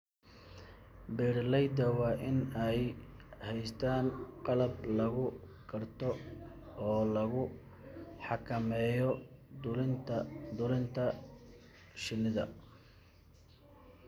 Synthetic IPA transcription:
bɛːɽlɛjd̪ɐwɑːʔɪnɛj | hɛjst̪ʰaːnqɑlɐblɐɣʊ | kʰɐrt̪ʰɔ | ɔːlɐɣʊ | ħɑkʰɐmɛːjɔʊlɪnt̪ʰɐd̪ʊlɪnt̪ʰɐ | ʃɪnɪðɐ̰

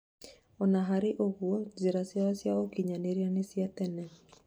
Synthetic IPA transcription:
ɔnaɦaɾeʔoɣuɔzeɾasjaɔsjaokiɲaneɾianesiat̪ɛnɛ

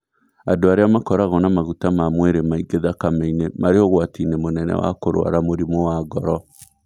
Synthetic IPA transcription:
adoaɾeamakɔɾaɣɔnamaɣutamamweɾemaiɡeðakameinemaɾeɔɣwatinemonɛnɛ̰wa̰koɾo̰a̰ɾamoɾimowaɡɔɾɔ

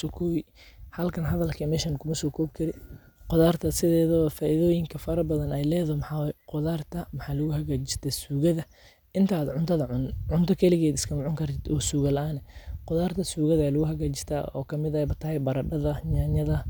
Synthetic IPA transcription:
sɔkʰɔːwɪ | hɐlkʰɐnɦɐðɐlkʰɐmɛːʃɐnkʰʊmɐsɔːkʰɔːbkʰɐɾɪ | qɔðaːrt̪ʰɐsɪðɛːðɔfaːʔiðɔːjɪŋkʰɐfɐɾɐbɐðɐnɛjlɛːðɔmħawqʊðaːrt̪ʰɐmɐħaːlɐɣʊhɐɣaːt͡ʃɪst̪ʰɛsuːɣɐðɐ | ʔɪnt̪ʰaːd̪ʕʊnt̪ʰɐðɐʕʊnʕʊnt̪ʰɔkʰɐlɪɣɛːd̪ɪskʰɐmʊʕʊŋkʰɐrt̪ʰɪd̪ɔːsuːɣɐlɐʔaːnɛqʊðaːrt̪ʰɐsuːɣɐðalʊɣʊɦɐɣaːt͡ʃɪst̪ʰa̰ːɔ̰ːkʰɐmɪðɐɛbɐt̪ʰɐhɛjbɐɾɐɖɐðɐɲaːɲɐðɐ

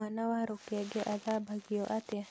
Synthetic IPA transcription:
anawahɾukeaɡeʔadabaɡioʔat̪ja

